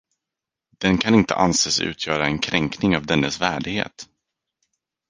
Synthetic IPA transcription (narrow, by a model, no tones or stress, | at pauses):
d̪̥ɛnkʰanɪnt̪ə̰ʔanseːsʉ̟ːt̪ʰjœːɾaɛnkʰɾɛŋknɪŋavd̪ɛnːəsvæːɖɪɡhḛːt̪